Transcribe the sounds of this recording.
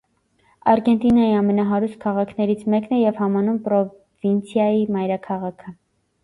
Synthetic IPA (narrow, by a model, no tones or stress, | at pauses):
ɑɾɡɛnt̪inɑjiɑmɛnɑɦɑɾust̪̚kʰɑʁɑkʰnɛɾit͡sʰmɛknɛjɛvhɑmɑnumpɾɔ | vint͡sʰjɑjimɑjɾɑkʰɑʁɑkʰə